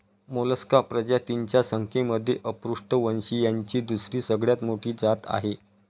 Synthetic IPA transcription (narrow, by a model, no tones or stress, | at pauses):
moləskapɾəd͡ʑat̪iɲt͡ɕjasəŋkʰeməd̪ʱːjeʔəpɾuʂʈəʋənɕiːjaɲt͡ɕiːd̪usɾiːsəɡɭjat̪moʈʰiːd͡zat̪a̰ɦe